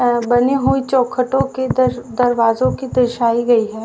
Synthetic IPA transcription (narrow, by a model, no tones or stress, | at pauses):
bɐniɦuit͡ʃɔːkʰːəʈõked̪ɐɾʋaːzõkid̪ɐʃaːiɡɐiɦɛː